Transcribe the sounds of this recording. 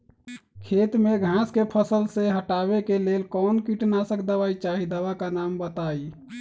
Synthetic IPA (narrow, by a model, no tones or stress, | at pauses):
kʰet̪meɡʱãskepʰəsəlseɦəʈabekelelkɔnkiʈnasəkʰd̪əʋait͡ʃaɦid̪əwakanambət̪ai